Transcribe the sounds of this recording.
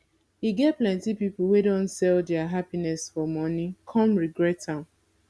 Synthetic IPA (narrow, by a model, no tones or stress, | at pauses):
hiɡɛt̚plɛ̃ntipipl̩wedõntsɛldɛaɦapinɛsfɔmɔ̃nikʰɔ̃mɹiɡɹɛtãm